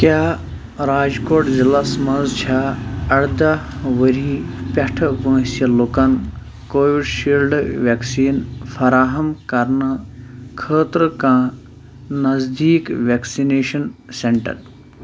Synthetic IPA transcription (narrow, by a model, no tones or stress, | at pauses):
kjaː | ɾaːd͡ʒkoːʈzilɐsmɐnzt͡ʃʰaɐɽd̪ɐʋəɾiːpʲɐʈʰʋə̃ːsɐlukɐn | koːʋiɖʃiːlɖʋeksiːnfʰɐɾaːɦɐmkɐɾnɨkʰəːt̪ɾɨkãː | nɐzd̪iːkʋeksineːʃɐnseɳʈɐ̰ɾ